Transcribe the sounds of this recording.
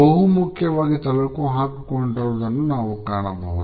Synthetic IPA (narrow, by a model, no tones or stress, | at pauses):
ɐɦumukʰjɐʋaːɡit̪ɐʋɐɭkuːɦaːkukoɳɖɐɾud̪ɐnːunaːʋukaːɳɐbʱɐɦu